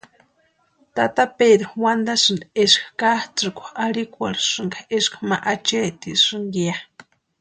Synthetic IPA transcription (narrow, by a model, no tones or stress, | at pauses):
t̪at̪aped̪ɾowand̪asɨneʂkkaht͡sɨkʷaaɾikʷa̰ɾʂɨŋɡaeʂkmaʔat͡ʃet̪ḭʂɨŋɡia